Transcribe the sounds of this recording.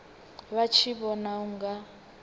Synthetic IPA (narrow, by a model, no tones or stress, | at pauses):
βat͡ʃʰiβɔnauŋɡa